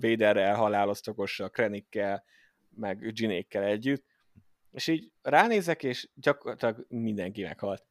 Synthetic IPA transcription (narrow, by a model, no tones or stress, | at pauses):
veːd̪ɛrɛlɦɒlaːlo̞st̪oko̞ʃɒkrɛnikːɛl | mɛɡd͡ʒinḛːkːɛlɛɟːyt̪ː | eːʃiːɟraːneːzɛkeːʃɟɒkorɒt̪lɒɡmind̪ɛŋkimɛ̰khɒlt̪